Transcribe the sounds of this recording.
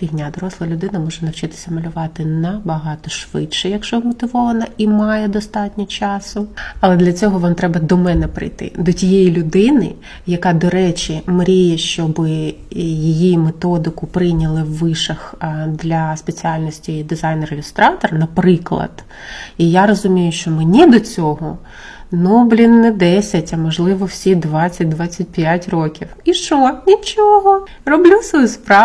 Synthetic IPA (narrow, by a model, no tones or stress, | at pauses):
ɾʲiɦnʲad̪ɔɾɔslˠɐlʲʊd̪ɪnɐmɔʒɛnɐwt͡ʃɪt̪ɪ̥sʲɐmɐlʲʊʋɑt̪ɪnɐbɐɦɑt̪ɔʃʋɪ̰tʃɛjɐkʃt͡ʃɔmɔt̪ɪʋɔʋɐnɐimɑjɛd̪ɔst̪ɑtʲnʲɔt͡ʃɑsʊɐlˠɛd̪lʲɐt͡sʲɔɦɔʋɔmt̪ɾɛbɐd̪ɔmɛnɛpɾɪ̰jt̪ɪ̰d̪ɔtʲijɛjilʲʊd̪ɪnɪ̰ | jɐkɑd̪ɔɾɛt͡ʃʲimɾʲijɛʃt͡ʃɔbɪ | jijimet̪ɔd̪ɪkʊpɾɪjnʲɐlˠɪwːɪʃɐxd̪lʲɐspet͡sʲiɑlʲnɔsʲtʲid̪ɪzɑjnrelʲɪst̪ɾɑt̪ɔrɐnɐpɾɪklˠɐ̰d̪̥ | ijaɾɔzʊmʲijʊʃt͡ʃɔmenʲid̪ɔt͡sʲɔɦɔ | nɔblʲinːɛd̪ɛsʲɐtʲɐmɔʒlˠɪʋɔwsʲid̪ʋɑt͡sʲːɐt̚ʲd̪ʋɑt͡sʲːɐt̚ʲpʲjatʲrɔkʲiwiʃt͡ʃɔnʲit͡ʃɔɦɔ | rɔblʲusɔjuspɾɑ